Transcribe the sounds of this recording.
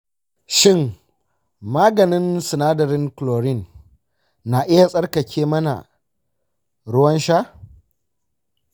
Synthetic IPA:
ʃɪ˦˨ŋ | maː˦ɡɐ˨nɪ˦nsɪ˨naː˦dɐ˨ɾɪ˦ŋkloː˨ɾɪ˦˨nː | a˨ʔɪ˦ja˨sʼɐ˦rkɐ˨kʲʰeː˦mɐ˦na̰˨ | ɽʊ˦wɐ˦nʃa˦

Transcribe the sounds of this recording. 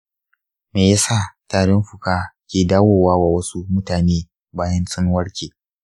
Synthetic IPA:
meː˨ja˦saː˦˨taː˨ɽɪ˦mɸʊ˨kaː˦kʲeː˨daː˦woː˨waː˦waː˨wɐ˦su˦mʊ˦taː˨neː˦ | baː˦jɐ˦nsʼɪ˦ŋwɐ˦ɽkʲeː˨

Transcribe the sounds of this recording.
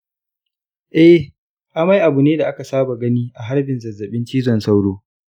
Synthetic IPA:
ʔɛ˦ | ʔa˦ma˦jʔa˨bu˨neː˦da˨ʔa˦ka˨saː˦ba˨ɡɐ˦niː˦ʔa˨ɦa˦ɾbɪ˨nzɐ˨zːɐ˨ɓɪ˦nt͡ʃiː˦zɔ˨nsa˦wɽoː˦

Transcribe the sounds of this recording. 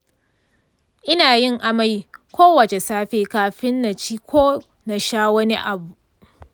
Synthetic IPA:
ʔɪ˦naː˨jɪ˦ŋʔa˨ma˦jkʷʰoː˦wɐ˨t͡ʃe˨saː˦ɸeː˦kaː˦ɸɪ˦nːa˨t͡ʃiː˦kʷʰoː˦ | na˨ʃaː˦wɐ˦ni˦ʔa˨bu˨ʔ

